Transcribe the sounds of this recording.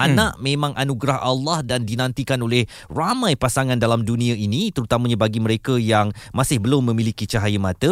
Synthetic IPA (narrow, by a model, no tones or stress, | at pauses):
ʔanãʔmẽmãŋʔanũɡɾahʔalːɑhdandinãnt̪ikanoleh | ramãjpasaŋandalamdunĩainit̪əɾut̪amə̃ɲabaɡiməɾekəjaŋmasɪhbəlʊmːə̃mĩlikit͡ʃaɦajəmãt̪ə